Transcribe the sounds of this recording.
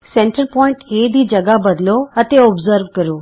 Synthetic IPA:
seɳʈəɾpɔːiɳʈed̪ʱiːd͡ʒɐɡabəd̪loɐt̪eɔbzəɾʋkəɾoː

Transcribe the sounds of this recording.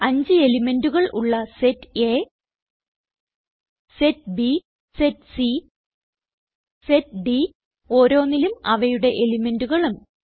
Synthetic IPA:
ɐɲd͡ʑɨe̞lime̞nduɣɐɭʔṵɭːɐsetːe | setbi | setsi | setɖi | o̞ːɾo̞ːnːilumɐ̰ʋɐjuɽe̞ʔelime̞nduɣɐɭum

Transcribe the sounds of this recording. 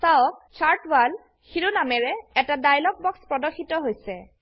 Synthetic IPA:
sawk̚t͡ʃʰaɹtwal | xiɹunamɛɹɛɛtadajlɔk̚bɔkspɹɔdɔxʰitɔɦojsɛ̰

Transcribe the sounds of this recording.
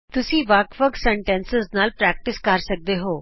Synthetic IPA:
t̪ʊsĩːʋəkʋəksɛɳʈɛ̃ːnsɪznaːlpɾɛːk̚ʈɪskəɾsək̚d̪eɦoː

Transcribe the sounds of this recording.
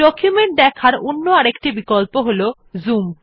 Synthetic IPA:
ɔkjumeɳʈ̚d̪ɛkʰaɾonːoaɾekʈibikolpoɦolo | zum

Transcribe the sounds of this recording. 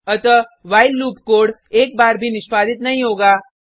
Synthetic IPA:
ɐt̪əʋaːɪlːuːpkoːɽeːk̚baːɾbʱinɪʃpaːd̪ɪt̪nɐɦĩɦoːɡaː

